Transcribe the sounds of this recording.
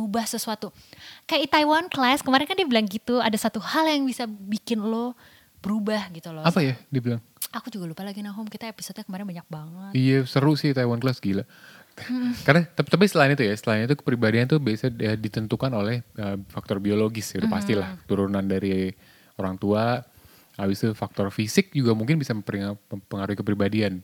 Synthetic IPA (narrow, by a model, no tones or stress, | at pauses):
ubahsəsuat̪u | kajaʔit̪ajwanklaskəmaɾɪnkandibilaŋɡit̪uadasat̪uhaljaŋbisabikɪnlo | bəɾubahɡit̪uloapajadibilaŋ | akud͡ʒuɡalupalaɡinaɦʊmkit̪aepisod̚ɲakəmaɾɪnbaɲak̚baŋət̪ijasəɾʊsɪht̪aiwanklasɡila | karnat̪at̪ap̬isət̪laɪnit̪ujasət̪əlaɪnit̪ukə̥pɾibadiant̪ubiasaədit̪ənt̪ukanolɛhəfak̚t̪ɔrbioloɡɪsat̪upast̪ilaht̪uɾunandaɾi | oɾaŋt̪ua | abɪst̪ufak̚t̪ɔrfisɪk̚d͡ʒuɡamuŋkɪnbisapɾiəpəŋaɾuhikəpɾibadian